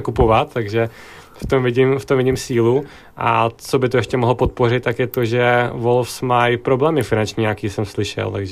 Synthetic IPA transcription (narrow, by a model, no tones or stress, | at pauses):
kupo̞vat̪t̪ːaɡʒɛ | ft̪omvɪɲɪmft̪omvɪɲiːmsiːlu | ʔa̰t͡so̞bɪt̪ojɛʃcɛmoɦlopot̪̚po̞rɪt̪̚ːakjɛt̪oʒɛvolfsmajpɾoblɛːmɪfɪnant͡ʃɲiːɲakiːsɛmslɪʃɛ̰lt̪aɡʒɛ